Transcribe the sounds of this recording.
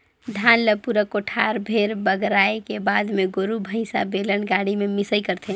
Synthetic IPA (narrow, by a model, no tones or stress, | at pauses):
d̪ʱanləpuɾəkoʈʰaɾbʱeɾbəɡɾaekebad̪meɡoɾubʱəɪsa̰belənɡaɽimemisəjkəɾt̪ʰe